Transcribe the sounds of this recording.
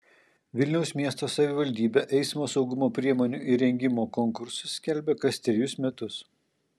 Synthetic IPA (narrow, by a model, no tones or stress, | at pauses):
ʋʲɪlʲnʲɛʊsmʲiɛst̪oːsɐʋʲɪʋɐlʲd̪ʲiːbʲeʔɛɪsmoːsɒʊɡʊmoːpʲɾʲiɛmoːnʲuʔɪɾʲɛŋʲɡʲɪmoːkoŋkʊɾsʊsːʲkʲɛlʲbʲeːkɐsʲt̪ʲɾʲɪjʊsmʲɛt̪ʊs